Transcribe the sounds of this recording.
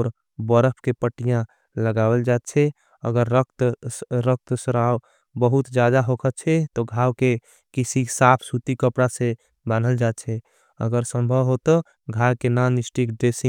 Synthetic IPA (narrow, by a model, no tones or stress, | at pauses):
ɔɾ | bəɾəpʰkepəʈːijã | ləɡabəld͡ʒat̪t͡ʃʰɛ | ə̰ɡəɾːəkt̪ɾək̚t̪səɾaw | bəɦut̪d͡ʒad̪aɦokʰətt͡ʃʰɛt̪ɔɡʱawke | kisisapʰsut̪ikəpɽasẽ | banəld͡ʒat̪̚t͡ʃʰɛ | ə̰ɡəɾsə̃mbʱəbɦot̪ɔ | ɡʱajkenanisʈikɖesi